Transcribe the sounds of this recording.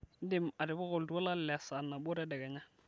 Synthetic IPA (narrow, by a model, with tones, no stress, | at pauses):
n̩˦dɪ˦˨ma˨dɪ˨bɔ˦ɣʊ˨ldu˦ɔ˦la˦llɛ˨a˨sa˨nːa˨bʊ˦ɾɛ˦dɛ˨ɡɛ˨ɲa˦